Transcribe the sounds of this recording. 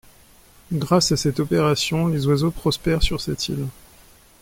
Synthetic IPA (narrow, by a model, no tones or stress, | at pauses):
ɡʁasasɛt̪ɔpeʁasjɔ̃lezwazopχɔspɛʁsyʁsɛt̪ʰḭl